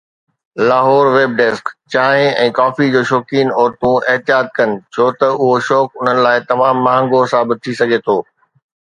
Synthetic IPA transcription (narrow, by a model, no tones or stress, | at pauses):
laːɦɔːɾʋeːb̚ɖeːskt͡ɕaːɦɪ̃ɛ̰̃ːkaːfid͡ʑoːʃɔːkiːnɔːɾt̪ũɪɦt̪ijaːt̪̚kɐnɪ̆t͡ɕʰoːt̪ɐʊɦoʃɔːkʊn̤ənɪ̆laːɪt̪ɐmãːmːaːɦə̃ŋɡosaːbɪt̪̚t̪ʰisɐɡʱet̪ʰoː